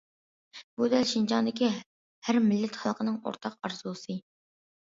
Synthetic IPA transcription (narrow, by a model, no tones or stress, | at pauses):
b̥ud̪ɛlʃind͡ʒɑnd̪ɪkʲi | hæɾmɪlːɪt̪χɑlˠqʰənɨŋo̰ɾt̪ʰɑqɑɾzulˠɨsɨ